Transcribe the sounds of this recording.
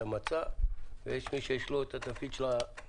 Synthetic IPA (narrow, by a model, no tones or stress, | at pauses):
amat͡savḛjeʃmiʃejeʃloet̪at̪afkid̪ʃla